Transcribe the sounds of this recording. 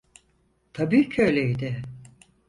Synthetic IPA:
t̪ʰabiːcʰøjlʲejd̪ɪ

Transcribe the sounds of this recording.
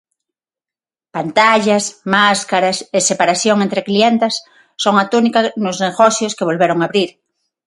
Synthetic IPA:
pant̪aʎasmaskaɾasesepaɾaθjoŋẽnt̪ɾeklient̪esː | oŋat̪unikanʊzneɣoθjoskeβ̞olβeɾoŋaβɾiɾ

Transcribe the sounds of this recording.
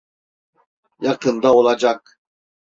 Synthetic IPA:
jakɨnd̪aɔlˠad͡ʒak̚

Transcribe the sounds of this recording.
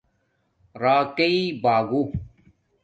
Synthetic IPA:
ɾaːkeibaːɡu

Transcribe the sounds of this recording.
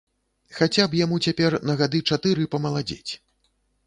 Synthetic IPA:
xat͡sʲapjamut͡sʲapʲɛrnɐɣad̪ɨt͡ʂat̪ɨɾɨpɐmɐlˠad͡zʲḛt͡sʲ

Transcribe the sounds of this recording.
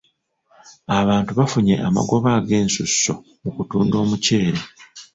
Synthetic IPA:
aβaːntuβafuɲe̞̰ʔama̰ɡo̞βaːɡe̞ːnsusːo̞̰ | mukutuːndo̞ːmuce̞ːɾe

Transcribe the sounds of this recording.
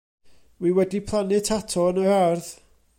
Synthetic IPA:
wiwɛdipʰlˠanɪtʰatʰɔnəarð

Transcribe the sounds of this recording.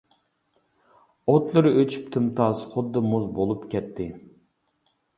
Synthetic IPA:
ot̪lˠɨɾɨøt͡ʃʰy̥p̚t̪ʰɨmt̪ʰɑsχʊd̪ːɨmuzbolˠupkʲʰɛt̪ʰːɪ

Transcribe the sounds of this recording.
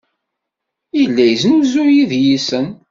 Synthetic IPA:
ilːæjznuzujiðjisən

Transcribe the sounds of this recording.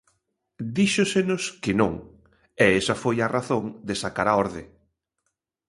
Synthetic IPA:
d̪iʃʊsenʊskɪnõ̰ŋ | ɛɛsɐfojɐraθõŋd̪ɪsakaɾaɔɾðɪ̰

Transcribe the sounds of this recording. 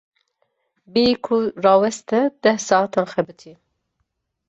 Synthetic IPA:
beikʰurɑːwɛst̪ɛd̪̥ɛhsɑːɑt̪ʰɑːnxɛbɨt̪ʰi

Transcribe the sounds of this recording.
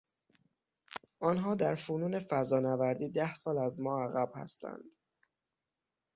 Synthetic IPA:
ʔɒːnɦɒːd̪æɾfuːnuːne̞fæzɒːnævæɾd̪iːd̪æhsɒːlæzmɒːæɣæb̥hæ̰st̪ʰæ̰nd̪̥

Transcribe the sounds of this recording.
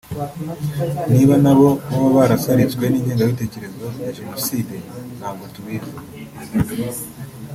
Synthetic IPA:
niːβanaβo̞βaβaβaɾasaɾit͡sɡwe̞niːɲe̞ːŋɡawite̞ːce̞ɾe̞zo̞jaʒe̞no̞siːde̞n̥haːβɡotuβiːze

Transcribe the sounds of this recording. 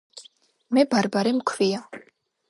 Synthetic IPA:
mɛbaɾbaɾɛmkʰvia

